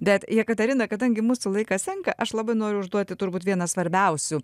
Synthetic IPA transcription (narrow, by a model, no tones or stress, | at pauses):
bʲɛt̪jiɛkɐt̪ʲɛɾʲɪnɐkɐd̪ɐŋʲɡʲɪmuːsʊlˠɐɪkɐst̪ʲɛŋkɐʔɐʃlˠɐbɐɪnoːɾʲʊʊʒd̪uɔt̪ʲɪt̪ʊɾbuːt̪ʋʲiɛnɐsʋɐɾʲbʲɛʊsʲʊ